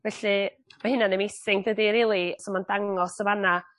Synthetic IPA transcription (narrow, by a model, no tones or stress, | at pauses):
vɛɬɨ | mahɨnanɪmesɪŋdədiɾiːlˠisɔmandaŋɔsəvana